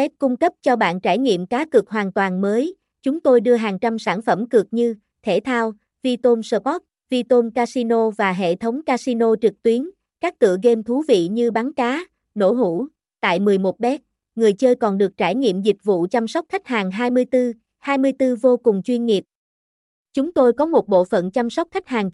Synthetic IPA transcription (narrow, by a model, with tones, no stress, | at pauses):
fɛ˦˥p̚kʊ˧ŋ͡mkə˦˥p̚t͡ɕɔ˧ɓa̰ː˧˨nt͡ɕaː˧˩jɲḭ˧˨əmkaː˨˦kɨ˨˩ək̚ɦwaː˨˩nt̪waː˨˩nməː˨˦j | t͡ɕʊ˨˦ŋ͡mt̪o˧jɗɨ˧əɦaː˨˩ŋt͡ɕa˧msaː˧˩nfə˧˩mkɨ˨˩ək̚ɲɨ˧ | t̪ʰe˧˩t̪ʰaː˧w | vi˧t̪o˧msəː˧ɓɔ˦˥p̚ | vi˧t̪o˧mkaː˧si˧no˧vaː˨˩ɦḛ˧˨t̪ʰə˨˦wŋ͡mkaː˧si˧no˧t͡ɕɨ˨˩k̚t̪wi˨˦ən | kaː˦˥k̚t̪ɨ̰˧˨əɣe˧mt̪ʰu˨˦vḭ˧˨ɲɨ˧ɓa˨˦nkaː˨˦ | no̰˧˩ɦṵ˧˥ | t̪a̰ː˧˨jmɨ˨˩əjmo˨˩t̚ɓɛ˦˥k̚ | ŋɨ˨˩əjt͡ɕəː˧jkɔ˨˩nɗɨ˨˩ək̚t͡ɕaː˧˩jɲḭ˧˨əmzï˨˩k̟̚vṵ˧˨t͡ɕa˧msa˦˥k͡p̚xa˦˥jk̟̚haː˨˩ŋɦaː˧jmɨ˧əjt̪ɨ˧ | haː˧jmɨ˧əjt̪ɨ˧vo˧kʊ˨˩ŋ͡mt͡ɕwi˧ənŋi˨˩əp̚ | t͡ɕʊ˨˦ŋ͡mt̪o˧jkɔ˨˦mo˨˩t̚ɓo̰˧˨fə̰˧˨nt͡ɕa˧msə˦˥wk͡p̚xa˦˥k̟̚haː˨˩ŋ